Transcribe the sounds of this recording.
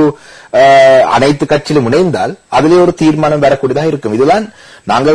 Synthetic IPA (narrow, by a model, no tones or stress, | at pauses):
ɯ | ɐ̰nɐɪt̪ːɯkːɐʈ̚t͡ʃːɪlmʊɳɐɪnd̪a̰ːlɐðɪleːɔɾɯt̪iːɾmaːnɐmʋeːɾɐkːuːɽɐðaːɪɾɯkːɯmɪðɯðaːn | naːŋɡɐ